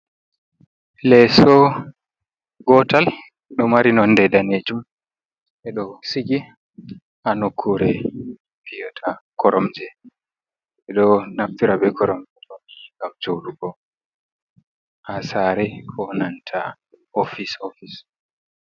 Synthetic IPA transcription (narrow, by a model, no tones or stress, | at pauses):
lɛsɔ | ɡɔtal | ɗɔmaɾinɔndɛdaned͡ʒum | ʔɛɗɔsiɡi | ʔanokʰːuɾɛ | pijɔtʰakʰɔɾɔmd͡ʒɛ | ɛɗɔnaftiɾabɛkʰɔɾɔmd͡ʒɛɗɔiɡawd͡ʒowɗuɡɔ | ʔasaɾɛkʰɔnantʰa | ofisofis